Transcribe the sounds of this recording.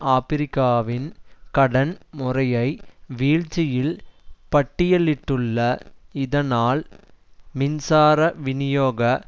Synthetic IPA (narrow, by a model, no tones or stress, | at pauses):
aːpɪɾɪkːaːʋɪnkɐɽɐnmʊrɐjɐɪʋiːɻt͡ʃɪjɪlpɐʈːɪjɐɭːɪʈːɯɭːɐɪðɐnaːl | mɪnsaːɾɐʋɪnɪjoːɣɐ